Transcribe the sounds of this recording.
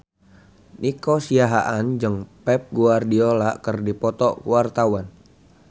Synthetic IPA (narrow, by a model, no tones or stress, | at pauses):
nʔikosiaɦaʔand͡ʒəŋpɛp̚ɡuardiolakərdipɔt̪ɔkṵwart̪awan